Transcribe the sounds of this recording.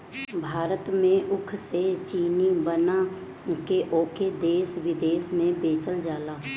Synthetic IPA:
bʱaːɾət̪mẽʔʊkʰset͡ʃiːnibəna | keʔoːkʰed̪eːsʋɪd̪eːsmẽbeːt͡ʃəld͡ʒaːlaː

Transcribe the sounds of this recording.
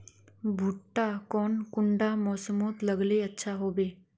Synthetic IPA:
bʱʊʈːakɔːnkʊɳɖamɔːsəmoːt̪ləɡleɐtːʃʰaɦoːbeː

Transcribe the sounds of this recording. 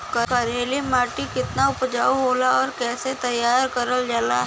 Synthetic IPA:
kəkəɾeːlimaːʈikɪt̪naʊpd͡ʒaːuɦoːlaɔːɾkɛːset̪ɐjːaːɾkɐɾəld͡ʒaːla̰ɦ

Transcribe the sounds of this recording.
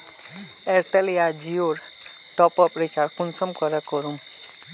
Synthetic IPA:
eɾʈelijad͡ʒioɾ | ʈɔpɔpɾit͡ʃaɾkunsɔmkɔɾɛkɔɾum

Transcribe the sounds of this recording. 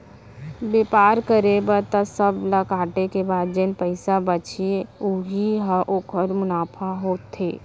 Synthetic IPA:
beːpaːɾkəɾebət̪əsəbləkaːʈekebaːd̪d͡ʒenpəɪsabət͡ʃʰeʊɦiɦəʔoːkəɾmʊnaːpʰaɦoːt̪ʰːeː

